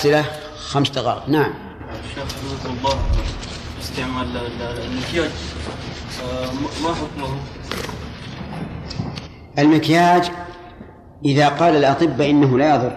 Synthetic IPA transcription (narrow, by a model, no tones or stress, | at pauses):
sɪla | xamsd̪ɑɣɑ̰ːnaʕam | ʃaːxdut̪ɑlˤːɑː | ɪst̪aʕmallmɪkjaːd͡ʒ | maħʊk̪mahu | ʔalmɪkjaːd͡ʒ | ʔɪðaqɑːlalʔɑt̪ˤɨbːaʔɪnːaɦʊlajɑðˤʊɾˤ